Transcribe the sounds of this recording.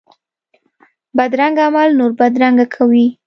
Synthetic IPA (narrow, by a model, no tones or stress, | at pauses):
bad̪ɾaŋɡamalnoɾbad̪ɾaŋɡakʰawi